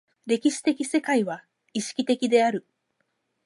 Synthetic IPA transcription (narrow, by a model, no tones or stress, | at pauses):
ɾe̞kʲiɕi̥t̪e̞kʲise̞kaiβa | iɕi̥kʲi̥t̪e̞kʲid̪e̞aɾɯ̟